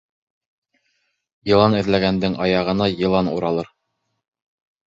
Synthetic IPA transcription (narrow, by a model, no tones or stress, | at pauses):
jɤ̆lˠɑnɘ̆ðlæɡænd̪ɘŋʔɑjɑʁɤ̆nɑjɤ̆lˠɑnṵɾɑlˠɤɾ